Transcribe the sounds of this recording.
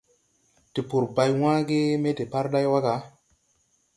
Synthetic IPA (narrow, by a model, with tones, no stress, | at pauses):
ti˨pu˨ɾba˨jw̃ãː˦ɡe˦me˦te˨pa˦ɾɗa˦jwa˦ɡa˨˦